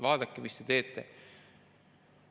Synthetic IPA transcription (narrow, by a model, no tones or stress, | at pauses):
ʋɑːd̪ɑkːimist̪et̪e̞ːt̪ːḛ